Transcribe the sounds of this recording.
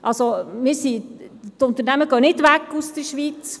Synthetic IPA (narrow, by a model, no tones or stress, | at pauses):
ʔɑlsomɪːɾsiːtʊnt̪əɾnɛməɡøːnɪtʋækːusd̥əʃʋiːt͡s